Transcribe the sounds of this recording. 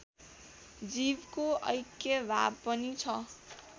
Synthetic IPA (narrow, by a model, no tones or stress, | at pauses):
d͡zibkoʌ̰jkːeba̰bpʌnit͡sʰʌ